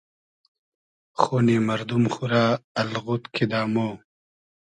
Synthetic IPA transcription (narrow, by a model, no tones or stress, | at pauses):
xoːniːmɐɾd̪umxuɾaːɐlɣut̪kʰid̪aːmoː